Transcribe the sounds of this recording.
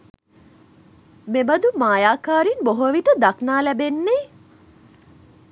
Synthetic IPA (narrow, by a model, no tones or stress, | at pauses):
mebɐd̪umaːjaːkaːɾinboɦoʋiʈəd̪aknaːlæbenːe